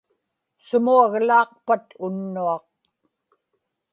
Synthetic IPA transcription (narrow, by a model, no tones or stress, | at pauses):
sʊmuaɣlɑːqpat̪ʊnːuɑq̚